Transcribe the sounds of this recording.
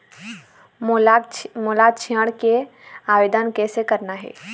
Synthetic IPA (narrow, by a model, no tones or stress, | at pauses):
molat͡ʃʰiəɽke | aːʋeːd̪ənkesekəɾnaɦɛ̰ː